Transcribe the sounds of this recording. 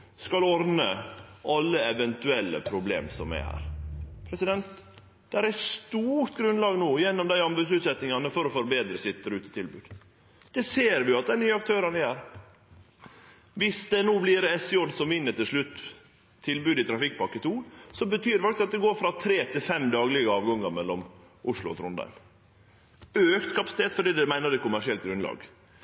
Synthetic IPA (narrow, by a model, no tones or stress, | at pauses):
skɑlɔɾnəʔɑlːəɛʋɛnt̪ʉɛlːə̰pʰɾʊblḛːmsɔ̰mɛ̰hæ̰ːɾpʰɾɛsɪd̪ɛnt̪ | d̪̥ɛhæɾæst̪uːɾt̪ɡɾʉnlɑːɡnoːjɛnːɔmd̪æɪɑmbʉd̪sʉːt̪sɛt̪nɪŋɑnəfɔɾɔfɔɾbeːd̪ɾəsɪt̪d̪æɾʉːt̪ə̥t̪ʰɪlbʉːd̪ | d̪̥ɛseːɾʋɪjʊɑt̪̚d̪ɛnyːəɑk̚t̪ʰøːɾɑnəjæːɾ | ʋɪsd̪ɛnoːblɪɾɛsɪɔd̪sɔmʋɪnːəʈɪlʂɭʉt̪ː | t̪ʰːɪlbʉːd̪ɪt̪ʰɾɑfɪk̚ːpɑkːət̪ʰuːsɔbət̪ʰyːɾfɑkt̪ɪsɑt̪d̪ɛɡoːɾfɾɑt̪ʰɾeːt̪ʰɪlfɛmd̪ɑːɡlɪɡəɑːʋɡɑŋːəmɛlːɔm | ʔʊʂɭʊ̰ɔ̰t̪ʰɾʊnd̪ɑ̰ɪm | øːkt̪kʰɑpɑsɪ̥t̪eːt̪fɔɖiːd̪ɛmæɪnəɾdɛt̪̚kʰʊmæʂɪɛlt̪ɡɾʉnlɑ̰ːɡ